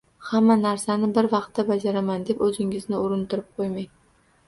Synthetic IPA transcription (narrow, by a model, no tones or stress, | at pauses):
hamːanaɾsanɪbɪɾvɑq̚t̪ːabad͡ʒaɾamand̪e̞pɵzɪŋɪznɪʊɾɪnt̪ʰʊɾɪp̚qʰojmaj